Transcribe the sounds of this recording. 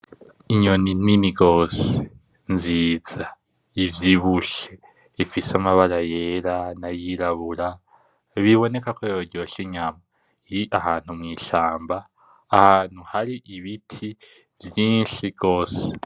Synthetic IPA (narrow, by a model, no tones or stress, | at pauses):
iɲo̞nininiɡo̞ːse | nziːz̥a | ivjiβuʃe | ifisamaβaɾaje̞ːɾanajiɾaβuɾa | βiβo̞ne̞kakojoɟoʃiɲama | iʔaɦaːn̥humŋiːʃaːmbaː | haːn̥huhaɾiʔiβitʰi | vjiːnʃiɡo̞ːse̥